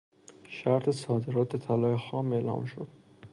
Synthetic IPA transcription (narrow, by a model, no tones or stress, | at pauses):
ʃæɾt̪ʰesɒːd̪e̞ɾɒːt̪̚et̪ʰælɒːjexɒːme̞ːlɒ̰ːmʃo̰d̪̥